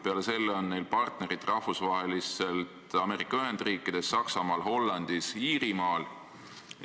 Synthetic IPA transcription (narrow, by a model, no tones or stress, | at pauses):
peɑle̞se̞lːeonːe̞jlpɑrt̪ne̞ɾit̪ˑrɑhfusvɑɦe̞lise̞lt̪ɑme̞ːɾikːˑɑyɦe̞nd̪̥riːkːˑid̪̥e̞sːɑksɑmɑːlɦo̞lːɑnd̪̥isiːɾimɑːl